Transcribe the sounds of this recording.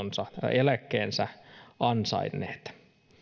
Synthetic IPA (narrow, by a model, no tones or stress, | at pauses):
nsɑelækːeːnsæɑnsɑ̰inːˑḛːt̪